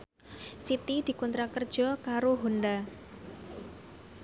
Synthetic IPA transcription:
sit̪id̪̥i̤kɔnt̪ɾakərd̥ʒ̥ɔ̤kaɾoɦonda

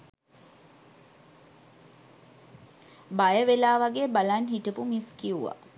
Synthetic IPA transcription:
bajəʋelaːʋaɡeːbalanɦiʈəpumiskiuʋa̰

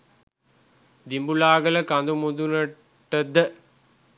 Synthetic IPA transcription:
d̪imbulaːɡɐlɐkɐnd̪umud̪unɐ | ʈːɐd̪ə

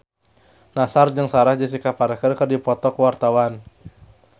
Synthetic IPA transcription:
nasard͡ʒəŋsaɾahd͡ʒas̬ikapaɾakərkərdipɔt̪ɔkwart̪awan

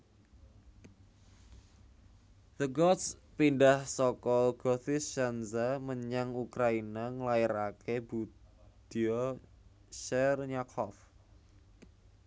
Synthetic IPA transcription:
ðəɡɔt̪spinɖahsɔkɔɡ̥ɔθɪsːanzaməɲaŋukɾainaŋlaɪɾakebud̪̥iɔ | ʃɛrɲakʰɔf

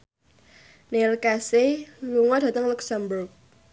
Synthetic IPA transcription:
nelkaseluŋɔd̥ä̤t̪əŋluksambʊrk̚

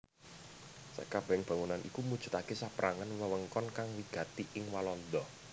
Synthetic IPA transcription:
sə̰kab̥ɛŋb̥ä̤ŋunanʔikumud̥ʒ̥ṳt̪akesapɾʔaŋanməwəŋkɔnkaŋwiɡ̥ä̤t̪iʔɪŋwalɔnd̪ɔ

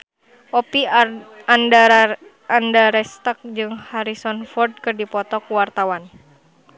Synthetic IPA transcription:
ʔɔpian | andaɾɛst̪ək̚d͡ʒɨŋhaɾisɔnfɔrd̚kɨrdipɔt̪ɔkuwart̪awan

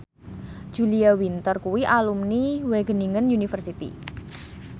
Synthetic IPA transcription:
d̥ʒ̥uliawint̪ərkuwiʔalumniweɡ̥ə̤niŋənjunifərsit̪ḭ

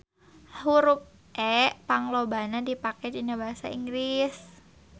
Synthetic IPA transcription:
huɾʊp̚ | ʔɛʔpaŋlobanadipakɛd͡ʒinabaɦasa̰iŋɡlis

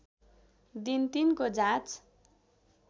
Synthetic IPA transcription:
d̪int̪inkod͡zãt͡s

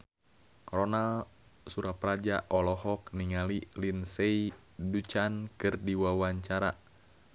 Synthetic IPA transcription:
rɔnalsuɾaprad͡ʒaʔɔlɔhɔk̚niŋalilinsei | dut͡ʃankɨrdiwawaɲt͡ʃaɾa

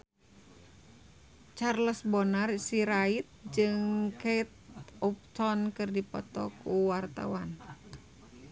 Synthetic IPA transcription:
t͡ʃarləsbɔnarsiɾait̪̚d͡ʒɨŋket̪̚ɔp̚t̪ɔnkɨrdipɔ̰t̪ɔkuwart̪a̰wan

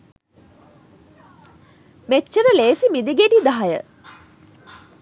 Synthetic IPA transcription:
met͡ʃːəɾəleːsimid̪iɡeɖid̪aɦajə̰

